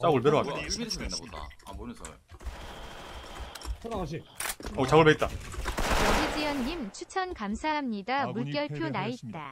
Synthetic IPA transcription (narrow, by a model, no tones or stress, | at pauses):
t͡ɕ͈aɡɯɭpeɾoas͈ | ot͡ɕaɡɯɭbpet͈̚a | od͡ʑid͡ʑijʌnːimt͡ɕʰut͡ɕʰʌnkamsʰaɦamɲidamuɭk͈jʌɭpʰjonait̚t͈a